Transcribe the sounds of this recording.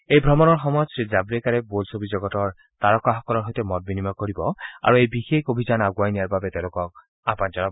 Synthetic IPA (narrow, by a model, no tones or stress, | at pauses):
ejbʱɹɔmɔnɔɹxɔmɔjɔtsɹizabɹɛkaɹɛbolsobizɔɡɔtɔɹ | taɹɔkaxɔkɔlɔɹɦojtɛmɔt̚binimakoɹibɔa̰ɹuejbixekobʱizanaɡwajnijaɹbabɛtɛʊ̃lokɔk̚ | apand͡ʒɔna